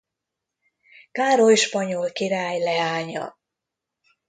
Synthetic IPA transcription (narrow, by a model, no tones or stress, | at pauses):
kaːɾojʃpɒɲolkiɾaːjlɛaːɲɒ̰